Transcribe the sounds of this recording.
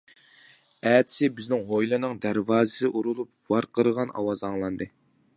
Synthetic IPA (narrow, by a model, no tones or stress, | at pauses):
æːt̪ʰɪ̥sɪbɪznɪŋʁojlˠɨnɨŋd̪æɾvɑːzɨsɨʔuɾulˠup̚wɑɾqʰəɾəʁɑnɑ̰wɑzɑŋlˠɑnd̪ɨ